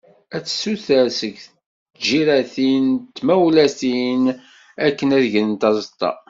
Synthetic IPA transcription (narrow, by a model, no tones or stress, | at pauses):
æt͡sːsuθæsəɡθ | d͡ʒiɾæθint̪ːmæwlæsin | ækːənæðʝənənt̪ɑzˤət̪ˤːɑ̰